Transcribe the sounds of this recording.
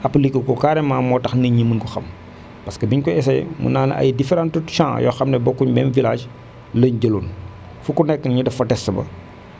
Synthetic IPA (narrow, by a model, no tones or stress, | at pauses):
ʔɐpːɐlikːəkɔkaːɾɛmːaːmɔtɐxnɐɲəmːənkɔxɐ̰m | pɐskəbiɲkɔɛsɐjmṵnaːnɐ̰ʔɐ̰jdifɛɾãntuʃãːjɔ̰ːxɐmnɛbɔkːuɲbɛnvilaːʃ | lɐɲɟəlun | fukunɛkːənɲidɐfɐtɛsːɐbɐ̰